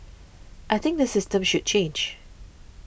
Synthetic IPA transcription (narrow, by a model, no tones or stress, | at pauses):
ʔaɪθɪ̃ŋk̚dəsɪstə̃mʃud̚t͡ʃʰẽnd͡ʒ